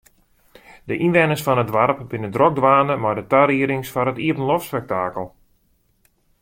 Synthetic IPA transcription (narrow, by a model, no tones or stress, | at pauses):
dəʔinʋɛnəsfɔnədʋarpbɪnədrɔk̚dʋaːnəmadətaɾiəɾɪŋsfaɾətiəpənlɔfspɛk̚taːkəlˠ